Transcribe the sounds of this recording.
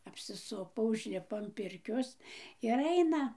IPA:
ɐpʲsʲɪˈsʊpoː ʊʒʲˈlʲɪpoː ɐn ˈpʲɪrʲkʲoːs ɪr ˈɐɪnɐ

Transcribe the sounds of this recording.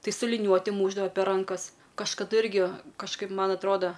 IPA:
ˈtɐɪ sʊ lʲɪˈnʲuɔtʲɪ ˈmuːʒdɐʋɐ pʲɛr ˈrɐŋkɐs kɐʃkɐˈdʊ ˈɪrʲɡʲɪ kɐʃˈkɐɪp ˈmɐn ɐtˈroːdɐ

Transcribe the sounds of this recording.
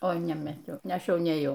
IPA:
oː nʲɛmɐˈtʲɛʊ ˈɐʃ ˈjɛʊ nʲeːˈjɛʊ

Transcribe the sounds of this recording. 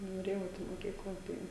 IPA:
noːˈrʲeːjɛʊ ˈɛɪt ɪ moːˈkʲiːklˠɐ ˈtɐɪ

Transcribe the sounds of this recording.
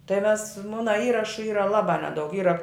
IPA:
tɐɪ mʲɛs ˈmʊnɐ ˈiːrɐʃʊ ˈiːrɐ ˈlˠɑːbɑː ˈnʲæːdɐʊk ˈiːrɐ

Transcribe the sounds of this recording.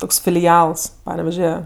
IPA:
ˈtoːks fʲɪlʲɪˈɐlˠs ˈpɑːnʲɛʋʲɛʒʲɛ

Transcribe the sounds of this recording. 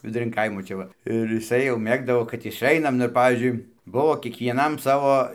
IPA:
ʋʲɪdʊˈrʲɪn ˈkɐɪmoː ˈt͡ʃʲɛ ʋɐ ɪr jɪˈsɐɪ jɛʊ ˈmʲeːɡdɐʋoː kɐt ɪʃˈɐɪnɐm nʊ ɪr ˈpɑːʋʲiːzʲd͡ʒʲʊɪ ˈbʊʋoː kʲiɛkʋʲiɛˈnɐm ˈsɑːʋoː

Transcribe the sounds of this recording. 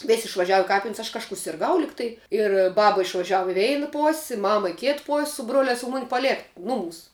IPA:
ˈʋʲɪsʲ ɪʃʋɐˈʒʲæːʋʊ ɪ ˈkɑːpʲɪnʲsʲ ɐʃ kɐʃˈkuː sʲɪrˈɡɐʊ ˈlʲɪktɐɪ ɪr ˈbɑːbɐ ɪʃʋɐˈʒʲæːʋʊ ɪ ˈʋʲɛɪnɐ ˈpoːsʲ ɪ ˈmɑːmɐ ɪ ˈkʲeːt poːsʲ sʊ ˈbroːlʲæːs ʊ ˈmʊnʲɪ pɐˈlʲeːk ˈnʊˌmuːs

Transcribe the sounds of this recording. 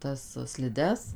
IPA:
ˈtɐs sʲlʲɪˈdʲɛs

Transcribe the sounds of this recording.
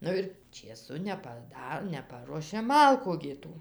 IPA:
ˈnʊ ɪr t͡ʃʲeːˈsʊ nʲɛpɐˈdɐ nʲɛˈpɑːruɔʃʲeː ˈmɐlˠkʊ ɡʲɪ ˈtuː

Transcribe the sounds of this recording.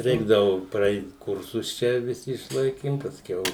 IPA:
ˈrʲɛɪɡdɐʋʊ prɐˈɛɪt ˈkʊrsʊs ˈt͡ʃʲɛ ʋʲɪˈsʲɪ ɪʃˈlˠɐɪkʲɪm pɐsʲˈkʲɛʊ

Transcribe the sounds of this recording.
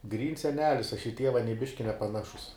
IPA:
ˈɡrʲiːns sʲɛˈnʲæːlʲɪs ˈɐʃ ɪ ˈtʲiɛʋɐ nʲiɛ ˈbʲɪʃʲkʲɪ nʲɛpɐˈnɑːʃʊs

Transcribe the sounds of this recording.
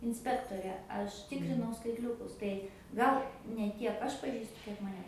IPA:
ɪnʲˈsʲpʲæːktoːrʲɛ ˈɐʃ ˈtʲɪkrʲɪnɐʊ skɐɪtʲˈlʲʊkʊs tɐɪ ˈɡɐlˠ nʲɛ ˈtʲiɛk ˈɐʃ pɐˈʒʲiːstʊ ˈkʲiɛk mɐˈnʲɛ

